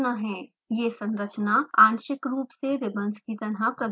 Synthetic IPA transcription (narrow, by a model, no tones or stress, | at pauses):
naɦɛ̃ː | jesɐ̃ŋɾət͡ʃnaaːnʃɪkɾuːpseɾɪbə̃nskit̪ɐɽɦapɾɐd̪